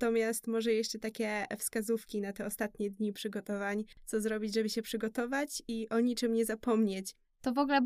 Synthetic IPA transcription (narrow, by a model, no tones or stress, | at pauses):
t̪ɔmʲjast̪mɔʐɛjɛʂt͡ʂɛt̪akʲɛfskazufkʲinat̪ɛɔst̪at̪ɲɛd̪ɲipʂɘɡɔt̪ɔvaɲt̪sɔzɾɔbʲid͡ʑʐɛbɘɕɛpʂɘɡɔt̪ɔvat͡ɕiʔɔɲit͡ʂɘmɲɛzapɔmɲet͡ɕ | t̪ɔvɔɡlɛ